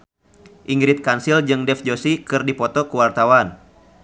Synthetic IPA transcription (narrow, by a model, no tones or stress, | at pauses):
ʔiŋɡɾit̪̚kansild͡ʒɨŋdɛfd͡ʒosikɨrdipɔt̪ɔkuwart̪awan